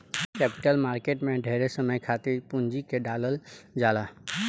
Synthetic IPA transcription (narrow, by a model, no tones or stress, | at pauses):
kɛːpɪ̥ʈəlmaːɾkeːʈmẽɖʱeɦɾesəməjkʰaːt̪ɪɾpʊnd͡ʒikeɖaːləld͡ʒaːla